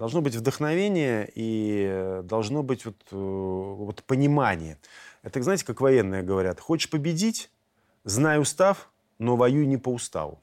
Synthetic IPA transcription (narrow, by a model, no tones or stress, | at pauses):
d̪ɐlˠʐno̞bɨtʲvd̪əxnɐvʲenʲɪjəi | d̪ɐlˠʐno̞bɨtʲvot̪ | vot̪pənʲɪmanʲɪjəɛt̪əznajɪtʲɪ̥kakvɐjenːɨjəɡəvɐɾʲat̪xot͡ɕɪ̥ʂpəbʲɪdʲitʲ | znajʊst̪af | no̞vɐjunʲɪpəʊst̪a̰vʊ̰